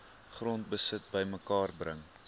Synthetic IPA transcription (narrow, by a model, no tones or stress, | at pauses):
χrɔnt̚bəsət̚bəjməkɑːrbrəŋ